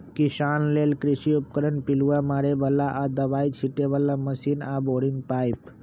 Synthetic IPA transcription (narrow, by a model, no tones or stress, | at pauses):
kisanlelkɾisiup̚kəɾənpiluʋamaɾebəlːaʔad̪əbait͡ʃʰiʈebəlːaməsinaboɽiŋɡ̚pajp